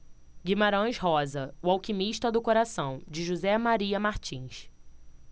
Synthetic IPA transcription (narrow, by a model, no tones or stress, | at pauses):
ɡimaɾɐ̃ʃɦɔzɐʊawkimiʃt̪ɐd̪ʊkoɾasɐ̃w̃d͡ʒɪʒuzɛmaɾiɐmaɾt͡ʃĩs